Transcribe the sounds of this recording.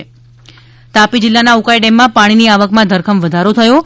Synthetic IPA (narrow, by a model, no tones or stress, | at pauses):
t̪apid͡ʒɪlːanaukajɖemːãpaɽ̃iniaʋəkmãd̪ʱəɾkʰəmʋəd̪ʱaɾot̪ʰəjo